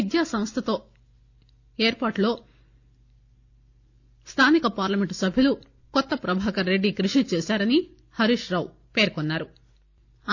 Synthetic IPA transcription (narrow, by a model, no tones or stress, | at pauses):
id̪jaːsɐmst̪ʰɐt̪o̞ː | eːɾpaːʈlo̞ː | st̪ʰaːnikɐpaːɾlɐme̞ɳʈsɐbʱilu | kɔt̪ːɐpɾɐbʱaːkɐɾɾe̞ɖːikɾuʂit͡ʃeːsaːɾɐni | hɐɾiʂɾɐːw | pe̞ːɾkɔnːaːɾu